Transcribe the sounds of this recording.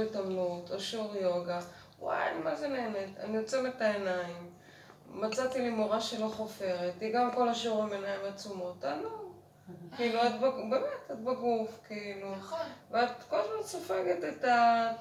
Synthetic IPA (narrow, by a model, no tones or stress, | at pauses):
itamnutoʃuʁjo̞ɡa | wa̰ja̰nimazeneeneta̰nijot͡sevetaenaimː | at͡satilimoʁaʃelo̞χofe̞ʁetiɡamko̞laʃuʁimenaimat͡sumo̞talu | kiluatbaɡbe̞metat̚baɡufkiiluveatkolezmadsofeɡeteta